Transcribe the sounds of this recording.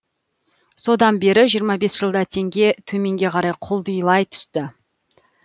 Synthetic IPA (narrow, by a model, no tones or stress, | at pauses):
so̞d̪ɑnbe̞ɾɪʒijəɾmɑbe̞sʒ̥əlˠd̪ɑt̪ʰe̞ŋɡʲe̞t̪ʰɵme̞ŋɡʲe̞qʰɑɾɑjqʰʊlˠd̪əjlˠɑjt̪ʰʏ̥st̪ɪ